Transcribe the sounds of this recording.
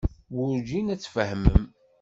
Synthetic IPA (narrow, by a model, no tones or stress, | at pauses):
wʊɾd͡ʒinæt͡sːfəhmə̰m